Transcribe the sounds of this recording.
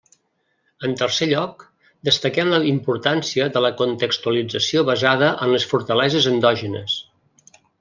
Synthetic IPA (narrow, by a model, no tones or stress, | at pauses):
ənt̪ərseʎɔk̚ | d̪əst̪əkɛmləimpuɾt̪ansiəðələkunt̪əkst̪uəlid͡zəsioβəzaðəʔənləsfuɾt̪əlɛzəzənd̪ɔʒənə̰s